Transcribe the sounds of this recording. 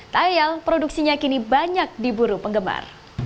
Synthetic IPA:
t̪ajalpɾoduk̚siɲakinibaɲak̚dibuɾupəŋɡəma̰r

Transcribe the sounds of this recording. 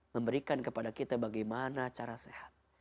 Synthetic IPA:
məmbəɾikankəpadakit̪abaɡajmanat͡ʃaɾasehat̪̚

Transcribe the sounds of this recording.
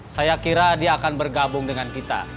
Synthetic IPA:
sajakiɾadiaːkanbərɡabʊŋdəŋankit̪a̰

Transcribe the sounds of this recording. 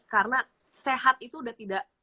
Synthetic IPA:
karna | seɦat̪̚it̪uːdaht̪idaʔ

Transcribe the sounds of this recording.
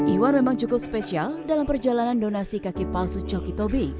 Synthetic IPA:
ʔiwanmemaŋt͡ʃukʊp̚spesialdalampərd͡ʒalanandonasikakipalsut͡ʃɔkit̪obi

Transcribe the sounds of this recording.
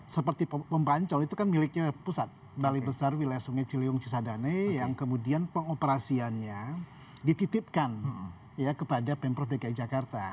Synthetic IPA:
səpərt̪ippəmpaɲt͡ʃɔlit̪ukanmilɪk̚ɲapusat̪̚ | balibəsarwilajasuŋat͡ʃiliuŋt͡ʃisadanejaŋkəmudianpəŋopəɾasianɲa | dit̪it̪ɪp̚kan | jakəpadapɛmpɾɔfdakaid͡ʒakart̪a

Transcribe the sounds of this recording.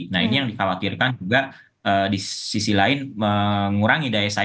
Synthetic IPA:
nainijaŋdikawakirkand͡ʒuɡa | əːdisisilaɪnməŋuɾaŋidaɛsa

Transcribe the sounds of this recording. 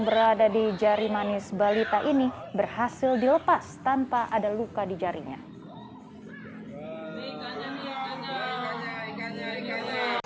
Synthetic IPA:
ŋbəɾadadid͡ʒaɾimanɪsbalit̪aʔinibərhasɪldiləpast̪anpaʔadalukadid͡ʒaɾḭɲa̰

